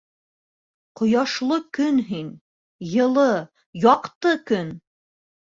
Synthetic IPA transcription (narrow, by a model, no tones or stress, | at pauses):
qŏjɑʃlˠɤkɵnɦin | jɤ̆lˠɤ | jɑqt̪ɤkɵn